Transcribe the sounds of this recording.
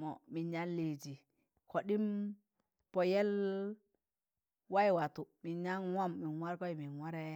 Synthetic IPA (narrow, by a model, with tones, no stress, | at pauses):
mɔ˨mi˨ɲa˦nle˨d͡ʒi˨ | kʰo˨ɗi˦m | pɔ˨jɛ˦l | wa˦jwa˨tu˨mi˨ɲa˦nwa˦mːi˨nwa˦ɾkɔ˦i˨mi˨nwa˦ɾɛ˦